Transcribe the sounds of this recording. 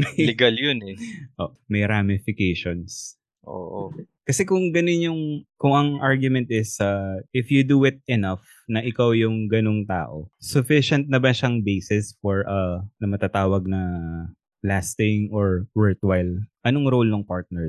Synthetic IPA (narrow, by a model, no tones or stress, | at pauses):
mɐjlɛɡaljʊnɛʔo̰ | mɐjɾamɪfɪkejʃons | ʔo̰ːʔ | kɐsɛkʊŋɡɐnɪnʊŋkʊŋɐŋʔaɹɡjʊmɛnt̪̚ɪsɐɪfjʊd̪uɪt̪̚ɛnɐf | nɐʔɪkawjʊŋɡɐnoŋt̪a̰ːʔosʊfɪʃɛnt̪̚nɐbɐʃɐŋbejsɪsfɔɹʔɐnɐmɐt̪at̪aːwɐɡ̚nɐ | last̪ɪŋʔɔɹwɛɹt̪wajlʔɐnoŋɾowlnɐŋpaɹt̪̚nɛ